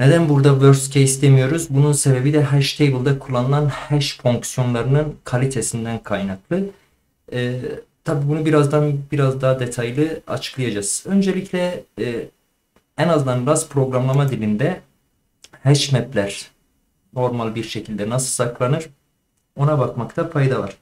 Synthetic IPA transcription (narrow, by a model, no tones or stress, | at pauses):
ne̞d̪ænbuɾd̪avøɾscʰejsd̪ʰemijo̞ɾuzbununse̞be̞bid̪ɛɦæʃt̪ʰejbɯlˠd̪akʰulˠːanɯlˠanhɛʃfo̞ŋksjo̞nlˠaɾɯnɯnkʰalʲit̪ʰe̞sind̪ænkʰajnaklˠɯː | t̪ʰabiːbunubiɾazd̪anbiɾazd̪aɦad̪e̞t̪ʰajlˠɯa̰t͡ʃʰɯ̥klˠɯjad͡ʒaz̥ø̞nd͡ʒe̞lʲicʰlʲɛ | ænaznd̪anɾaspʰɾo̞ɡɾamlˠamad̪ilʲind̪ɛ | hɛʃmɛplʲæɾ̥ | no̞ɾmalʲˠbiɾʃe̞cʰilʲd̪ɛnasɯlˠsaklˠanɯɾ | o̞nabakmakt̪ʰafajd̪ava̰ɾ̥